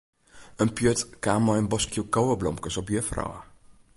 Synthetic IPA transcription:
ənpjøtkaːmɔjənbɔskjukowəblɔmkəsɔpjəfrɔ̰wə̰

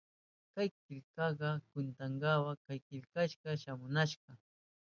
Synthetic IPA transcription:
kajkɪlkɑɢɑkʊnt̪aŋɡɑwakajkɪlkaʃɢɑʃamʊnaʃɢɑ

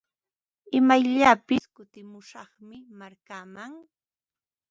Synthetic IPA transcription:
ɪmajʎapɪskʊt̪ɪmʊʃɑχmɪmaɾkamaŋ

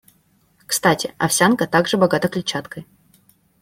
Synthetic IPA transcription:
kst̪atʲɪ̰ɐ̰fsʲankət̪aɡʐɨbɐɡat̪əklʲɪt͡ɕat̪kəj

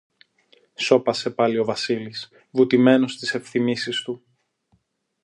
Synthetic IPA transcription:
so̞pɐse̞pɐlio̞vɐsilis | vut̪ime̞nost̪ise̞pθimisist̪u

